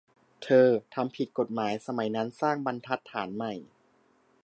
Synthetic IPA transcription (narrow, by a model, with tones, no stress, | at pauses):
t̪ʰɤː˧t̪ʰa˧mpʰi˨˩t̪̚ko˨˩t̪̚maː˩˦jsa˧ma˩˦jna˦˥nsaː˥˩ŋba˧nt̪ʰa˦˥t̪ʰːaː˩˦nma˨˩j